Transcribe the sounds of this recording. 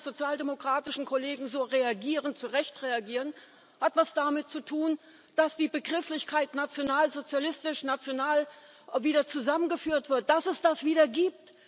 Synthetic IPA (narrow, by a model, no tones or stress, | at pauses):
z̥ot͡sjaːldemokʁ̥aːtɪʃn̩kʰoleːɡŋ̩zoːʁeaɡiːʁənt͡suʁɛçtʁeaɡiːʁən | hatv̥asd̥amɪt̚t͡sutʰuːn | d̥asd̥iːbəɡʁɪflɪçkʰaɪtnat͡sjonaːlzot͡sjalɪstɪʃnat͡sjonaːl | viːdɐt͡suzamənɡəfyːɐtv̥ɪɐt̚d̥asɛsd̥asv̥iːdɐɡiːp̚t